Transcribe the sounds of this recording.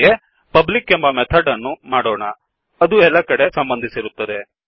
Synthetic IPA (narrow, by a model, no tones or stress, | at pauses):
e | pɐblikːembɐmɛt̪ʰɐɖɐnːumaːɽoːɳɐ | ɐd̪uɛlːɐkɐɽe̞sɐmbɐnd̪ʱisiɾut̪ːɐd̪e̞